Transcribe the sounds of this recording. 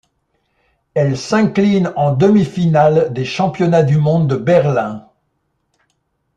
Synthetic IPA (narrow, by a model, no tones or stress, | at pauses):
ɛlsɛ̃klinɑ̃d̪əmifinald̪eʃɑ̃pjɔnad̪ymɔ̃d̪ːəbɛʁlɛ̃